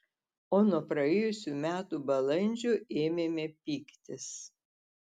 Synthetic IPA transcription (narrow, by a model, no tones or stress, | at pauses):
oːnuɔpɾɐeːjʊsʲumʲæːt̪ubɐlˠɐnʲd͡ʒʲuʔeːmʲemʲɛpʲiːkt̪ʲɪs